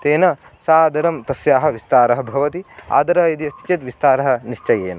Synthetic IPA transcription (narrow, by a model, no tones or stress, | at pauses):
t̪eːnɐ | saːd̪ɐɾɐmt̪ɐsjaːɦɐ̆ʋist̪aːɾɐɦɐbʱɐʋɐt̪ia̰ːd̪ɐɾɐɦɐid̪iɐt͡ʃi̥t͡ʃ̪ɐt̪ʋist̪aːɾɐɦɐ̆niʂt͡ʃɐjeːnɐ